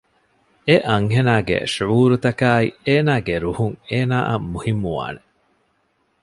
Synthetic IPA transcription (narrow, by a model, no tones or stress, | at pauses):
eʔɐŋɦenaːɡḛʃuuːɾut̪ɐkaːieːnaːɡeɾuhuŋeːnaːʔɐmuhimːuʋa̰ːne